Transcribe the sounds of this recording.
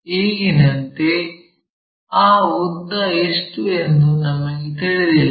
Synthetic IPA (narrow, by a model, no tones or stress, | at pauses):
iːɡinɐnt̪e | aːud̪ːɐeʂʈue̞nd̪unɐmːɐɡet̪iɭed̪il